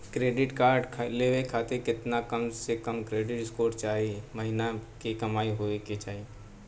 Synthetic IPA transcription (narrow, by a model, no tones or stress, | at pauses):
kɾeːɖɪʈkaːɾɖkʰleːʋekʰaːt̪ekɪt̪nakɐmsekɐmkɾeːɖɪʈskoːɾt͡ʃaːɦimɐɦɪnakikɐmaːiɦoːekit͡ʃaːɦi